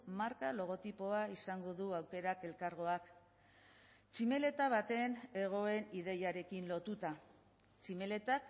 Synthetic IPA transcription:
maɾkalo̞ɣ̞o̞t̪ipo̞aisaŋɡo̞ðuawke̞ɾake̞lkaɾɣo̞ak | t͡ʃime̞le̞t̪aβ̞at̪e̞ne̞ɣ̞o̞e̞niðe̞jaɾe̞kinlo̞t̪ut̪a | t͡ʃime̞le̞t̪ak

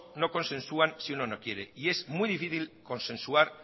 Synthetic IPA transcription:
no̞ko̞nsẽ̞nsuansiunono̞kje̞ɾe̞ie̞szmujðifiθilko̞nsẽ̞nsuaɾ

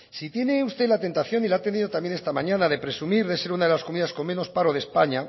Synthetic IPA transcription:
sit̪je̞ne̞ust̪e̞lat̪e̞nt̪aθjo̞nilat̪e̞niðo̞t̪amje̞nest̪amãɲãnaðe̞pɾe̞sumiɾðe̞se̞ɾunað̞elaskomiðasko̞mmeno̞spaɾoð̞e̞spaɲa

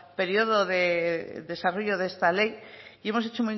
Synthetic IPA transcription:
pe̞ɾjo̞ð̞oðeðe̞saro̞ʝoðest̪ale̞jie̞mo̞s̬e̞t͡ʃo̞muj

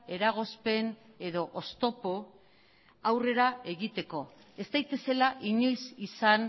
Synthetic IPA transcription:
e̞ɾaɣ̞o̞spe̞ne̞ðo̞ʔost̪o̞po | awre̞ɾae̞ɣit̪e̞ko̞ | e̞st̪ajt̪e̞se̞laʔiɲo̞jsisan

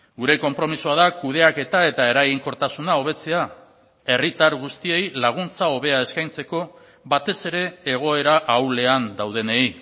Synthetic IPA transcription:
ɡuɾe̞ko̞mpɾo̞misoaðakuðe̞ake̞t̪ae̞t̪ae̞ɾaɣiŋko̞ɾt̪asunao̞β̞e̞t͡se̞a | e̞rit̪aɾɣust̪ie̞jlaɣ̞unt͡sao̞β̞e̞ae̞skajnt͡se̞ko̞ | βat̪e̞se̞ɾe̞ːɣ̞o̞e̞ɾaʔawle̞and̪awð̞e̞nei

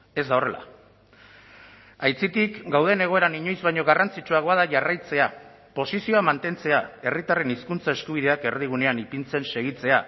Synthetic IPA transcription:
e̞zd̪ao̞re̞la̰ | ajt͡sit̪ikɡawð̞e̞ne̞ɣo̞e̞ɾaniɲo̞jzβajɲo̞ɣarant͡sit͡ʃuaɣoaðaʝarajt͡se̞a | po̞sisio̞amant̪e̞nt͡se̞ae̞rit̪are̞niskunt͡sae̞skuβ̞iðe̞ake̞ɾðiɣ̞une̞anipint͡se̞nse̞ɣ̞it͡se̞a

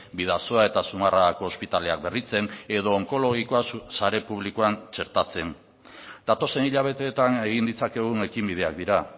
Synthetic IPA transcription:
biðaso̞ae̞t̪asumarako̞ːspit̪ale̞ak̚be̞rit͡se̞ne̞ðo̞ːŋko̞lo̞ɣ̞ikoassaɾe̞puβ̞likoant͡ʃe̞ɾt̪at͡se̞n | d̪̥at̪o̞se̞niʎaβ̞e̞t̪e̞ːt̪ane̞ɣind̪it͡sake̞ɣ̞une̞kimbið̞e̞ak̚d̪iɾa

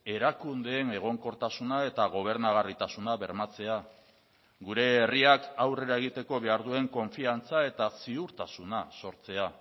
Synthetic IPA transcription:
e̞ɾakund̪e̞ːne̞ɣ̞o̞ŋko̞ɾt̪asunae̞t̪aɣ̞o̞β̞e̞ɾnaɣ̞arit̪asunaβe̞ɾmat͡se̞a | ɣuɾe̞ːriakawre̞ɾae̞ɣit̪e̞ko̞βe̞aɾðue̞ŋko̞ɱfiant͡sae̞t̪asiuɾt̪asunaso̞ɾt͡se̞a

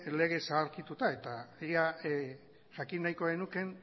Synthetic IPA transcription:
le̞ɣ̞e̞saːɾkit̪ut̪ae̞t̪aia | ʝakinːajko̞enuke̞n

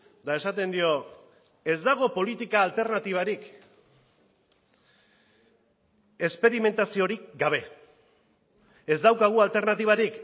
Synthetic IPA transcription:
d̪ae̞sat̪e̞nd̪io̞ | e̞zd̪aɣ̞o̞po̞lit̪ikaːlt̪e̞ɾnat̪iβ̞aɾik | e̞spe̞ɾime̞nt̪asio̞ɾikɡaβ̞e̞ | ezd̪awkaɣ̞ualt̪e̞ɾnat̪iβ̞aɾik

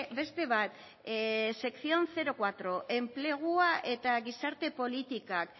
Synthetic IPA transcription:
be̞st̪e̞βat̪ | se̞kθio̞nθe̞ɾo̞kwat̪ɾo̞ʔe̞mple̞ɣ̞uaʔe̞t̪aɣisaɾt̪e̞po̞lit̪ikak

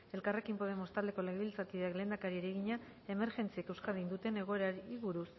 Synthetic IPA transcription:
e̞lkare̞kimpo̞ð̞e̞mo̞st̪ald̪e̞ko̞leɣeβilt͡sat̪iðeakle̞ːnd̪akaɾieɾe̞ɣ̞iɲa | e̞me̞ɾʝe̞nt͡sieke̞wskaðind̪ut̪e̞ne̞ɣ̞o̞e̞ɾaiβuɾus

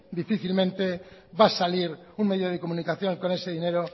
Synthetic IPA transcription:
d̪ifiθilmẽnt̪e̞βasaliɾuŋme̞ðjoð̞ekomũnikaθjõ̞ŋko̞ne̞seðine̞ɾo

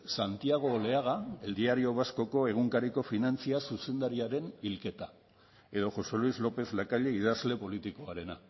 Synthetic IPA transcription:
sant̪iaɣ̞o̞le̞aɣ̞aeld̪iaɾioβasko̞ko̞e̞ɣ̞uŋkaɾiko̞finant͡siasuse̞nd̪aɾiaɾe̞nilke̞t̪a | e̞ðo̞ʝo̞se̞lwizlo̞pe̞zlakaʎe̞iðazle̞po̞lit̪iko̞aɾe̞na

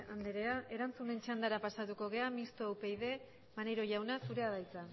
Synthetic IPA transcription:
and̪eɾeaʔe̞ɾant͡sume̞nt͡ʃand̪aɾapasat̪uko̞ɣe̞amist̪owpe̞jðe̞ | manejɾo̞ʝawnasuɾe̞aðajt͡sa

